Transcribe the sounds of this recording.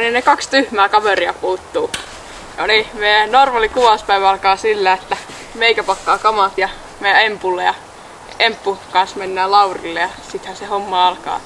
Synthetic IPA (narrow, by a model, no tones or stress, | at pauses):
ninnekɑkst̪yhmæːkɑʋeriɑpuːt̪ːuː | jolimeijænorʋɑlikuʋɑspæiʋæɑlkɑːsilːæet̪ːæ | meikæpɑkːɑːkɑmɑt̪jɑ | meæempulːejɑ | empːukɑnsmenːæːlɑurḭlːejɑsit̪hæsehomːɑɑlkɑ̰ː